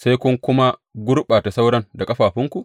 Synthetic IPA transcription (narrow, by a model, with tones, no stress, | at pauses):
sa˦jkʊ˦ŋkʷʊ˦ma˦ɡʷʊ˦ɾɓaː˨ta˨sa˦wɽɐ˦nda˨kʼɐ˦ɸaː˨ɸɪ˦ŋku˨ʔ